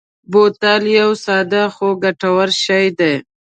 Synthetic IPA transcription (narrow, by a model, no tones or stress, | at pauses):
bot̪aljawsɑd̪axoɡaʈawaɾʃajd̪e